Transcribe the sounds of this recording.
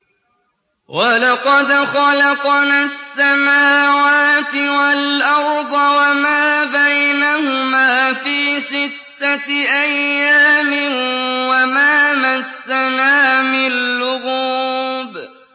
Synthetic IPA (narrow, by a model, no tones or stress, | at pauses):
wʔalɑqɑd̪xɑlɑqnasːamaːwaːt̪ɪwalʔɑɾˤd̪ˤɑwamaːbajnahʊmaːfiːsɪt̪ːaʔajːaːmɪnwamaːmasːanaːmɪlːʊɣuːb